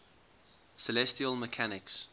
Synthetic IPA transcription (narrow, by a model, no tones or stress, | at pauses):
səlɛstiəlˠməkʰanɪks